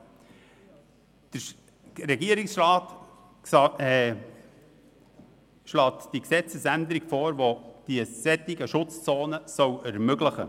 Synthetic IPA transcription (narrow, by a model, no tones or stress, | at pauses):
d̪̥ə | ɾɛɡiəɾɪksɾɑːt | ʃlɑːt̪d̥iksɛt͡səsænd̪əɾɪɡ̥foːɾvod̥iəsɛt̪ːɪɡəʃʊt͡st͡soːnəsœwɛɾmøɡləχə̰